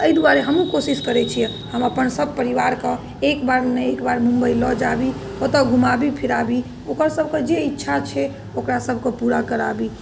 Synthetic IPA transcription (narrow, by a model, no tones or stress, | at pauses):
əjd̪uaɾeɦəmũkosiskəɾɛt͡ʃʰijɛ | həməpənsəb̚ʱpəɾiʋaɾke | ekbaɾneekbaɾmũmbəilɔd͡ʒabi | ot̪ɔɡʱumabipʰiɾabi | okəɾsəbʱked͡ʒeitːʃʰat͡ʃʰɛ | okɾasəbʱkepuɾakəɾabi